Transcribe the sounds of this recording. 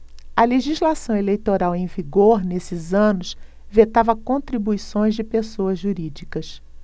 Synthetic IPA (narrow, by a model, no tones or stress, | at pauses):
ɐleʒizlasɐ̃w̃elejt̪oɾawẽj̃viɡoɾnesɪzɐ̃nʊs | vet̪avɐkõnt̪ɾibuisõj̃zd͡ʒɪpesoɐzʒuɾid͡ʒikɐs